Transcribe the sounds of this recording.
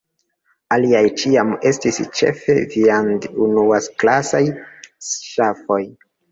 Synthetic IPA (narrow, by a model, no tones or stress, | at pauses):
aliajt͡ʃiame̞stist͡ʃe̞̰fe̞viandunuasklasajsʃafo̞j